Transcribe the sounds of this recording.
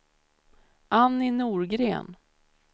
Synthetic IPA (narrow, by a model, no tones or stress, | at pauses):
ʔanːɪnuːɾɡɾḛːn